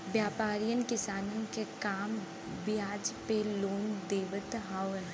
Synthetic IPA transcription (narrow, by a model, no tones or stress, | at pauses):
bjaːpaːɾijənkɪsaːnõkekaːm | bɪjaːd͡ʒpeloːnd̪eːʋət̪ɦaːʋən